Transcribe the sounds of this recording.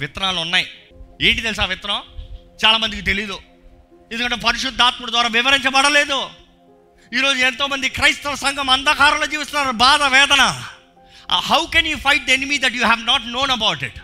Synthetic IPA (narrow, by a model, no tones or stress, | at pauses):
ʋɪt̪ɾaːlunːaːjie̞ːɳʈit̪elis̬aːʋɪt̪ɐɾɐm | t͡ʃaːlaːmɐnd̪ikit̪e̞liːd̪u | end̪kɐɳʈeːpɐɾiʃud̪ːaːt̪̚muɽɐd̪ʋaːɾaːʋɪʋɐɾiɲt͡ʃɐbɐɽɐle̞ːd̪u | iːɾoːd͡ʒuɛnt̪o̞ːmɐnd̪ikɾɐjst̪ɐlɐsɐŋɡʱɐmɐnd̪ɐkaːɾɐmlod͡ʒiːʋɐst̪unaːɾubaːd̪ɐʋɛːd̪ɐnɐ | hɐwkɛnjuːfɐjʈ̚d̪ɐenimiːd̪ɛʈjuːɦæʋnaːʈno̞ːnɐbɐwʈiʈ